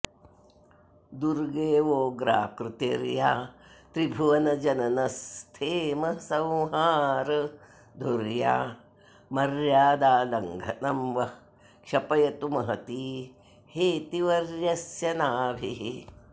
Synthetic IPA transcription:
d̪uɾɡeːʋoːɡɾa̰ːkɾut̪ḛːɾjaːt̪ɾibʱuʋɐnɐd͡ʒɐnɐnɐst̪ʰeːmɐsɐ̃wɦaːɾ | d̪ʱoɾja̰ː | mɐɾjaːd̪aːlɐŋɡʱɐnɐmʋɐ | kʃɐpɐjɐt̪umɐɦɐt̪iː | heːt̪iʋɐɾjɐsjɐnaːbʱḭɦi

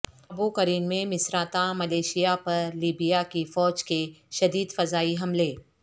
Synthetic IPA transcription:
ɐbukɐɾiːnmẽmɪsɾaːt̪amɐleːʃijapɐɾliːbijakifɔːd͡ʒkeʃɐd̪iːd̪fɐzaːiɦɐmleː

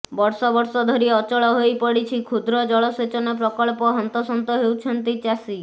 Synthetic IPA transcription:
bɔɾsɔbɔɾsɔd̪ʱɔɾiɔt͡ʃɔɭɔɦojpɔɽit͡ʃʰikʰud̪ɾɔd͡ʒɔɭɔset͡ʃɔnep̬ɾɔkɔɭpɔɦɔnt̪ɔsɔnt̪ɔɦewt͡ʃʰɔnt̪it͡ʃasi

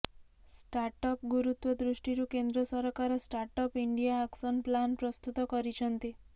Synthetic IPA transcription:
sʈaɾʈɔpɡuɾut̪wɔd̪ɾuʃʈiɾukend̪ɾɔsɔɾkaɾɔsʈaɾʈɔpiɳɖijaːksɔnplanpɾɔst̪ut̪ɔkɔɾit͡ʃʰɔnt̪i

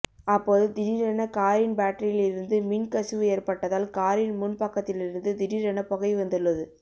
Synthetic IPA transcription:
ɐpːoːðɯd̪ɪɾiɾɐɳɐkaːɾɪnbaːʈːɐɾɪjɪlɪɾɯnd̪ɯmɪnkɐsɯʋɯeːɾpɐʈːɐðaːlkaːɾɪnmʊnpɐkːɐt̪ːɪlɪɾɯnd̪ɯd̪ɪɾiɾɐnɐpɔɣɐɪʋɐnd̪ɯɭːɐðɯ

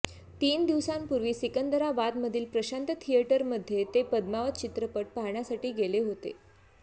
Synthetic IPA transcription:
t̪iːnd̪iʋsampuɾʋiːsikənd̪əɾaʋad̪məd̪ʱiːlpɾəɕant̪ət̪ʰijəʈəɾməd̪ʱːjet̪epəd̪maʋət̪̚t͡ɕit̪ɾəpəʈ̚paɦɳjasaʈiːɡeleɦot̪ḛ

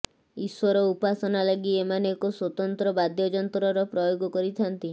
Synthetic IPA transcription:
iswɔɾɔupasɔnalaɡiemanekoswɔt̪ɔnt̪ɾɔbad̪jɔd͡ʒɔnt̪ɾɔɾɔpɾɔjoɡɔkɔɾit̪ʰant̪i

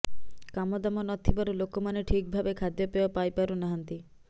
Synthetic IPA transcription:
kamɔd̪amɔnɔt̪ʰibaɾulokɔmaneʈʰik̚bʱabekʰad̪jɔpebapajpaɾunaɦant̪i

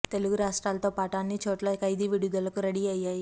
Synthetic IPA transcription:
t̪eluɡɾasʈɾalt̪ɔpaʈanːiːt͡ɕʰoʈlakajd̪iːʋiɽjud̪ələkuɾəɽiːajaj

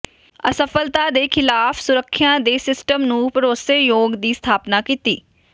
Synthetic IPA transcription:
əsəfʰəlt̪aːd̪eːkʰɪlaːpʰsʊɾəkʰːɪjãːd̪eːsɪsʈəmnũːpəɾoːseːjoːɡd̪iːst̪ʰaːpnaːkiːt̪iː

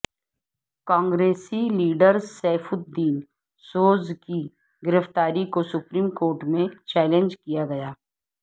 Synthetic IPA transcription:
kãːŋɡɾeːsiliːɖəɾsɛːfʊd̪iːn | soːzki | ɡɪɾəft̪aːɾikosʊpɾiːmkoːɾʈmẽt͡ʃɛːlẽnd͡ʒkijaɡɐjaː

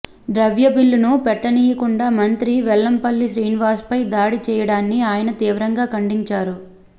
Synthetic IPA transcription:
ɖɾɐʋjɐbilːunupɛʈːɐniːjɐkuɳɖaːmɐnt̪ɾiʋɛlːɐmpɐlːiʃɾiːnʋaːspɐjd̪aːɽit͡ʃɛːjɐɽaːnːiaːjɐnɐt̪iːʋɾɐŋɡaːkɐɳɖiɲt͡ʃaːɾu

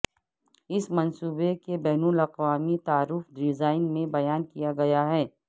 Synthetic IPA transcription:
ɪsmɐ̃nsuːbekebɛɦnulɐqʋaːmit̪aːɾuːfɖɪzaːɪnmẽbɐjaːnkijaɡɐjaɦɛː

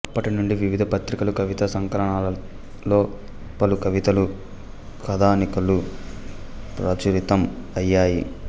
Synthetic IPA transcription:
ɐpːɐʈinuɳɖiʋiʋid̪ʱɐpɐt̪ɾikɐlukɐʋit̪ɐsɐŋkɐlɐɳaːlɐ | lo̞ː | pɐlukɐʋit̪ɐlu | kɐd̪ʱaːnikɐlu | pɾaːt͡ʃuɾit̪ɐm | ɐjːaːjḭ

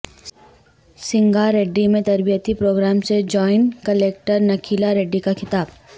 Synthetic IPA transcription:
sɪ̃ŋɡaɾeːɖːimẽt̪ɐɾbijət̪ipɾoːɡɾaːmsed͡ʒɔːɪnkɐleːk̚ʈəɾnɐkʰiːlaɾeːɖːikaxʰɪt̪aːb̚

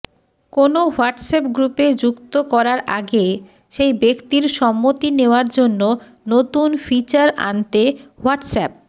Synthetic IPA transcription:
konowaɾʈsɛpɡɾuped͡ʑukt̪okɔɾaɾʔaɡe | ʃejbekt̪iɾʃɔmːot̪ineoaɾd͡ʑonːo | not̪unfit͡ɕaɾa̰nt̪ewaʈsɛp̚

